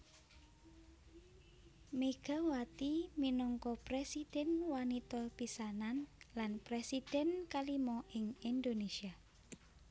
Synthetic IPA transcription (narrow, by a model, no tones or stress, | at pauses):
meɡ̥a̤wat̪iminɔŋkɔpɾesid̪̥ɛ̤nwanit̪ɔpisananlanpɾesid̪̥ɛ̤nkalimɔɪŋind̪onesia